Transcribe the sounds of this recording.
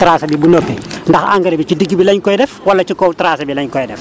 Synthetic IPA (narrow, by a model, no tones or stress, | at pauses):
tɾaːsɐbibunɔpːɛndɐxa̰ŋɡɐɾibit͡ʃidiɡːibilɐɲkɔjdɛfwɐlːɐt͡ʃikɔwtɾaːsɐbilɐɲkɔjdɛf